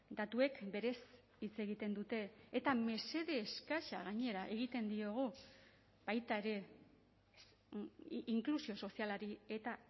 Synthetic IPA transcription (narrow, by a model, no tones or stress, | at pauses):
d̪at̪ue̞kbe̞ɾe̞s | it͡se̞ɣit̪e̞nd̪ut̪e̞ːt̪ame̞se̞ðe̞ːskaʃaɣ̞aɲe̞ɾaʔe̞ɣit̪e̞nd̪io̞ɣ̞u | b̥ajt̪ae̞ɾe̞ | iŋklusio̞so̞sialaɾie̞t̪a